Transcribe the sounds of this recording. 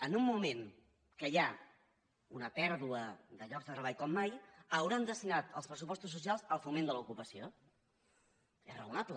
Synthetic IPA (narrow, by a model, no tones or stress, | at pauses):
ənumːumen | kəja | unəpɛɾðuəðəʎɔɡzðət̪ɾəβaʎkɔmːajəwɾand̪əst̪inat̪əlˠspɾəsupɔst̪us̬ːusialˠzəlˠfumend̪əlukupəsio | ɛ̰rə̰unaplə